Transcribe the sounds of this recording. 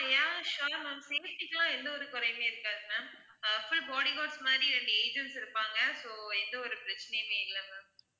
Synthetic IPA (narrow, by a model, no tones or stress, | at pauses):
jãːʃaːmɐːmseːfʈɪkːɐlãːɛnd̪ɐɔɾɯkʊɾɐjmeːɪɾɯkːaːðɯnɐ | fʊlbɔːɽiɡoːɖsmaːd̪ɾiɾɛɳɖɯeːd͡ʒɐɳʈsɪɾɯpːaːŋɡɐsoːɛnd̪ɐɔɾɯpɪɾɐt͡ʃːɐnɛjmeːɪlːɐmaː